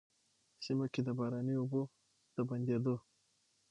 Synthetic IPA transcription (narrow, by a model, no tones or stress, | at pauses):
simaked̪əbaɾaniubo | t̪əband̪ed̪o